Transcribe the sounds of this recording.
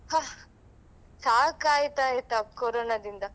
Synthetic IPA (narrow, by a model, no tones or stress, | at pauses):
ha | saːkaːjt̪aːjit̪ɐkoɾoːnad̪ind̪ɐ